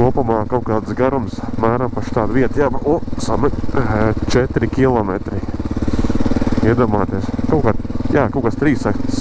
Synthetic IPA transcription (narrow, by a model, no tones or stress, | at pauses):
kuɔpumaːkaʊkaːt̪sɡaɾumsmæːɾampaʃt̪aːd̪ʋiɛt̪jaːbusamɛnt͡ʃɛt̪ɾikʲilˠɔmɛt̪ɾi | iɛd̪uɔmaːt̪iɛskawkaːd̪jaːkawkast̪ɾiːsak̪s